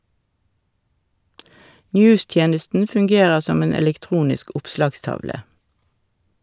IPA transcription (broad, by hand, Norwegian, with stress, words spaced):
ˈnjʉːˌstjeːnəstn̩ fʉŋˈɡeːʁəʁ ˈsɔm ˈeːn ɛlɛkˈtʁuːnɪsk ˈʊpslɑːɡˌstɑʋlə